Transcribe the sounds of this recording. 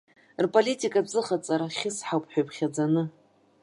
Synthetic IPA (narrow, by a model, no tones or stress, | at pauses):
rpʼolʲitʼikʼabzɨχat͡sʼaɾaχʲɪsħawpʼħʷᶣajpʰʼχʲad͡zanɨ